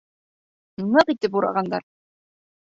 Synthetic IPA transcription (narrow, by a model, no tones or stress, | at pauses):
nɤqit̪ːipuɾɑ̰ʁɑnd̪ɑ̰ɾ